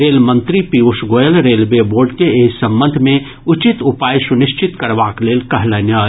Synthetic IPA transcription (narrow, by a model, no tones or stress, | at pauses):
ɾeːlmə̃nt̪ɾipiusɡoːjəlɾeːlbeboːɾɖkeeːsə̃mbə̃nd̪ʱmẽ | ʊt͡ʃit̪ʊpaːjsʊnɪʃt͡ʃɪt̪kəɾʋaːkleːlkəɦlənəː